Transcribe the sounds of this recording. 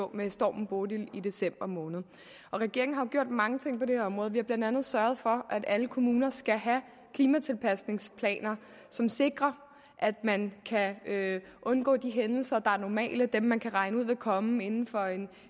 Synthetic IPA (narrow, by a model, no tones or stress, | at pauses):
ɔ̰mesd̥ɒ̰ːmm̩b̥odilid̥e̝sem̰b̥ɐmɔːnð̩ˠ | ʔɒ̽ʁɛɡ̥e̝ɐeŋn̩ɦɑɡ̥jo̝ɐ̰d̥mɑ̈ŋət͡sʰe̝ŋ̰pʰɒ̽d̥e̝hɒ̽mʁɔːð̩ˠʋihɑ̈b̥læn̰d̥ænð̩ˠsɶɐð̞̩ˠfɒ̽ʔæd̥æləkʰo̝muːnɐsɡ̥æɦæ | kʰliːmæt͡sʰe̝lpʰæsne̝ŋspʰlɛ̰ːnɐ | sɒ̽mse̝ɡ̥ʁɐ | ʔæd̥mænkʰæ | ʔɔ̽nɡ̥ɔ̰̽ːd̥iɦenl̩sɐd̥ɑ̈æɐnɒmɛ̰ːləd̥emːænkʰæʁɑ̈ɪnəuð̞̰ˠʋe̝lkʰɒ̽me̝nn̩fɒ̽e̝n